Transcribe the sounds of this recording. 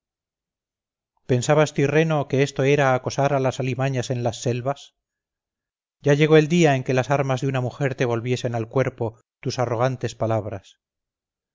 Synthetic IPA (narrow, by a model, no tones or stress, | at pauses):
pe̞nsaβast̪ire̞no̞keest̪o̞e̞ɾaːko̞saɾalasalimaɲase̞nlasːe̞lβas | ɟ͡ʝaʎe̞ɣ̞o̞e̞ld̪iae̞ŋke̞lasaɾmazðeunamuxe̞ɾt̪e̞β̞o̞lβje̞se̞nalkwe̞ɾpo̞ | t̪usaro̞ɣ̞ant̪e̞spalaβɾas